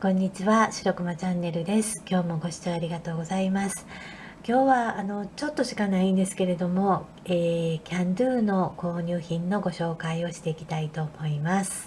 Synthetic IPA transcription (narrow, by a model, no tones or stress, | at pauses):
kõ̞ɲ̟ːit͡ɕiβaɕi̥ɾo̞kɯ̟mat͡ɕãnːe̞ɾɯ̟d̪e̞sɨ̥kʲo̞ːmo̞ɡo̞ɕi̥t͡ɕoaɾʲiɡat̪o̞ːɡo̞zaimasɨ̥ | kʲo̞ːβaːno̞t͡ɕo̞t̪ːo̞ɕi̥kanaĩnd̪e̞sɨ̥ke̞ɾe̞d̪o̞mo̞ | eːkʲãnd̪ɯːno̞ko̞ːɲ̟ʲɨːçĩnːo̞ɡo̞ɕo̞ːkaio̞ɕi̥t̪e̞ikʲi̥t̪ait̪o̞mo̞imasɨ̥